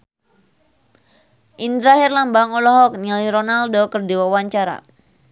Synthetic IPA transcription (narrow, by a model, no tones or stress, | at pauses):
ʔind̪ɾaɦirlambaŋɔlɔɦɔk̚niliɾɔnaldokərdiwawaɲt͡ʃaɾa̰